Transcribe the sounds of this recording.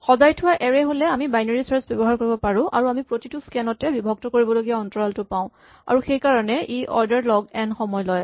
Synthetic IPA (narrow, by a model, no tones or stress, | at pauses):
xɔzajtʰʊwaʔɛɹɛɦolɛamibajneɹisaɹsbɔbɔɦaɹkoɹibɔpaɹʊ̃ʔa̰ɹuamipɹotitʊskɛnɔtɛbibʱɔɡ̚tɔkoɹibɔloɡijaɔntɔɹaltʊpãʊ̃ | a̰ɹuxejkaɹɔnɛʔiʔɔ̰ɹdaɹlɔɡɛnxɔmɔjlɔj